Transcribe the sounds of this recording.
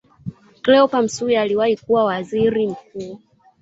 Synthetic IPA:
klɛɔpam̩suialiwahikuwawaziɾim̩k̚uː

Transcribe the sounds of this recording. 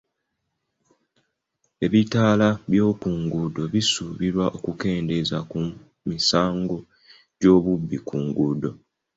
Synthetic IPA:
e̞βitaːlaβjo̞ːkuːŋɡudo̞βisuβiɾwaʔo̞kuke̞ːnde̞zaku | misaːŋɡo̞ | ɟo̞ːβubːikuːŋɡudo̞

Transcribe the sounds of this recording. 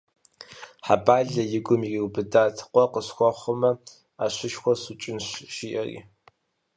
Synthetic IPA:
ħabaːɮɐjɪɡʷʊmiiwbɨdaːtʰqʷɔqəɕxʷɔχʷʊmɐ | aːɕɪʃxʷɔsut͡ʃʼɪnɕʃiːʔɐrḭː

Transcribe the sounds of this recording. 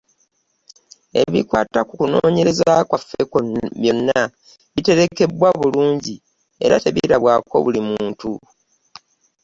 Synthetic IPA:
e̞̰βḭkwaːtakukuno̞ːɲe̞ɾe̞zakwafːekoβjo̞nːa | βite̞ɾe̞ke̞bwaβuluːɲɟi | e̞̰ɾa̰te̞βiɾaβwaːko̞̰βulimuuːntu

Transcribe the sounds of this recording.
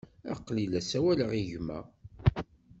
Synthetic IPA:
æ̰qlilæsæwæləʁiʝmæ̰

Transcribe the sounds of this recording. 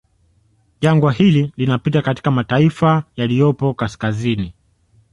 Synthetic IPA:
ʄaŋɡwahililinapitakati̥kamataifajalijɔpɔkaskazini

